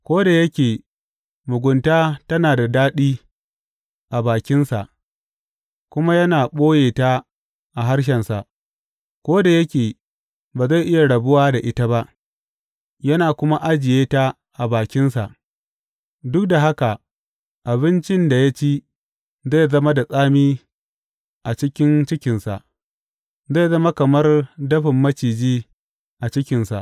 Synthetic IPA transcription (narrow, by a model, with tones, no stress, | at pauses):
kʷoː˦da˨jɐ˦kʲeː˨ | mʊ˨ɡʷʊ˨ntaː˦tɐ˦naː˨da˨daː˦ɗiː˦ | ʔa˨baː˨kʲɪ˦nsa˨ʔ | kʷʊ˦ma˦jɐ˦naː˨ɓoː˦jeː˨taː˦ | ʔa˨ɦa˦ɽʃ̬ɛ˨nsa˨ʔ | kʷoː˦da˨jɐ˦kʲeː˨ | baː˨za˦˨jʔɪ˦ja˨ɽɐ˨bʊ˦waː˦da˨ʔɪ˦ta˦ba˦ʔ | jɐ˦naː˨kʷʊ˦ma˦ʔa˦d͡ʒɪ˨jeː˦ta˦ | ʔa˨baː˨kʲɪ˦nsa˨ʔ | dʊ˦k̚da˨ɦa˦ka˨ | ʔa˨bɪ˦nt͡ʃɪ˦nda˨ja˦t͡ʃi˦ | za˦˨jzɐ˦ma˦da˨sʼaː˦miː˦ | ʔa˨t͡ʃɪ˦kʲɪ˦nt͡ʃɪ˦kʲɪ˨nsa̰˨ʔ | za˦˨zɐ˦ma˦kɐ˨mɐ˦rdɐ˦ɸɪ˨mːɐ˦t͡ʃiː˨d͡ʒiː˦ | ʔa˨t͡ʃɪ˦kʲɪ˨nsa̰˨ʔ